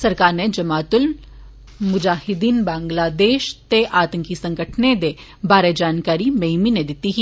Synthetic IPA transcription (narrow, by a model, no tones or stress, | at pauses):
sɐɾkaːɾned͡ʒɐmaːt̪ʊl | mʊd͡ʒaːhɪd̪iːnbãːŋɡlaːd̪eːʃt̪eʔaːt̪ə̃ŋkisɐ̃ŋɡəʈʰned̪e | baːɾed͡ʒaːnkaːɾimeːmined̪ɪt̪iɦi